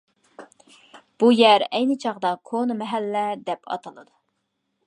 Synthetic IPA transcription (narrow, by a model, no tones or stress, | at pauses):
b̥ujæɾɛjnɨt͡ʃʰɑʁd̪ɑkʰonɨmɛɦælːɛd̪ɛpʰɑ̰t̪ʰɑlˠɨd̪u